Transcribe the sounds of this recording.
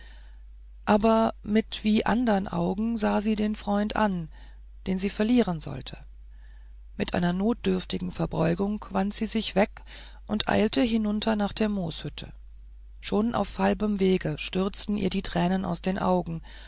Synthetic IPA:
ʔaːbɐmɪtv̥iːʔa̰ndəɐʁənʔa̰ʊɡŋ̩zaːziːdeːnfʁ̥ɔʏntʔa̰n | d̥eːnziːfɛɐliːʁ̞ənzɔ̰ltʰə | mɪtʔa̰ɪnɐnoːt̚d̥ʏɐftɪɡŋ̩fɛɐbɔʏɡʊŋkv̥antz̥iːzɪçv̥ɛk | ʔʊntʔa̰ɪltəɦɪnʊntʰɐnaːχd̥eːɐmoːshʏtʰə̰ | ʃoːnʔa̰ʊfhalbəmveːɡəʃtʏɐt͡stn̩ʔḭːɐdiːtʁ̥ɛːnəna̰ʊsd̥eːnʔa̰ʊɡŋ̩

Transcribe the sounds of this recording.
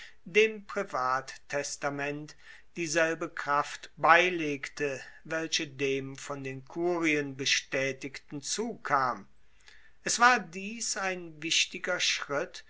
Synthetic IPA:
deːmpʁ̥ivaːttʰɛstamɛnt | d̥iːzɛlbəkʁ̥aftbaɪleːktəvɛlʃədeːmfɔndeːnkʰuːʁiənbəʃtɛːtɪktn̩t͡suːkʰaːm | ʔɛsv̥aːɐdiːsaɪnvɪʃtɪɡɐʃʁ̥ɪt

